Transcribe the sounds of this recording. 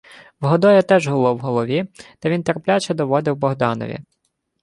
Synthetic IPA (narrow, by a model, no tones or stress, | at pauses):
wɦɔd̪ɔjɛt̪ɛʒɦɔlˠɔwɦɔlˠɔʋʲit̪ɐʋʲint̪erplʲat͡ʃɛd̪ɔʋɔd̪ɪwbɔɦd̪ɑnɔ̰ʋʲḭ